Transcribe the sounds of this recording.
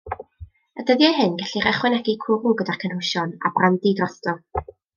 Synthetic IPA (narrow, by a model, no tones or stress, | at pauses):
ədəðjajɦɪnɡɛɬiɾɛχwɛnɛɡikʰʊɾʊɡədakʰənhʊʃɔna̰brandidrɔθtɔ